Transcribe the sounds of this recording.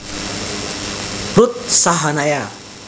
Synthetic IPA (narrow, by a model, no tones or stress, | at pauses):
but̪̚saɦanaja